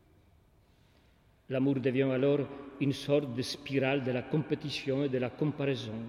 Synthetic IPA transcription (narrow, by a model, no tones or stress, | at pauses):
lamuʁd̪əvjɛ̃alɔʁynsɔʁt̪̚d̪əspiʁald̪əlakɔ̃pet̪isjɔ̃ed̪əlakɔ̃mpaʁezɔ̃